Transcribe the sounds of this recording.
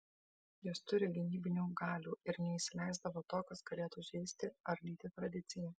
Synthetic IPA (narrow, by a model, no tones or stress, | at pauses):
jɪst̪ʊɾʲɪɡʲɪnʲiːbʲɪnʲuːɡɑːlʲuːɪɾnʲɛiʃsʲɪlʲɛˑɪzd̪ɐʋoːt̪oːkɐsɡɐlʲeːt̪uʒʲɛɪsʲt̪ʲɪɐɾlʲiːt̪ʲɪt̪ɾɐd̪ʲɪt̪sʲɪjɛ